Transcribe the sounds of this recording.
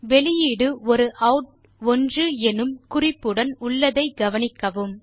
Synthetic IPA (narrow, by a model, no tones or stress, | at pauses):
ʋɛɭɪjiːɽɯɔɾɯʔɐʊʈ̚ | ɔndrɯɛnɯmkʊrɪpːɯɽɐnʊɭːɐðɐɪɡɐʋɐnɪkːɐʋɯm